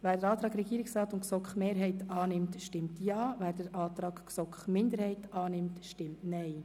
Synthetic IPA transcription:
ʋæːɾdəɾɑːt̪ɾɑːɡɾɛɡiːɾɪksɾɑːt̪ʊnksɔkχmeːɾɦɛɪtɑːnɪmtʃtɪmtjɑːvæːɾd̥əɾʔɑːt̪ɾɑːkksɔkχmɪnd̪əɾhɛɪtɑːnɪmtʃtɪmtnɛɪ

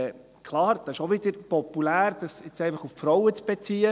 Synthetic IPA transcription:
kʰlɑːɾd̥ɑɪʃoʋɪd̥əɾpɔpulæːɾd̥ɑsɪt͡sɛɪfɑχuffɾɔʊət͡sb̥ɛt͡siːə

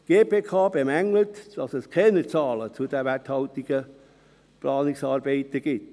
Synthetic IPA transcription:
ɡ̥eːpʰeːkʰɑːb̥emæŋlətd̥ɑsɛskʰɛːnət͡sɑːlət͡sud̥ɛʋæthɑʊtiɡ̥ə | plɑːnɪksɑːɾbeɪt̪əɡ̥ɪt

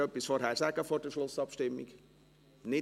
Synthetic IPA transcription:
œpːisfoːɾhæːɾsæɡ̥əfɔːɾdəʃlʊsɑpʃtɪmːḭɡ̥ | nɪ

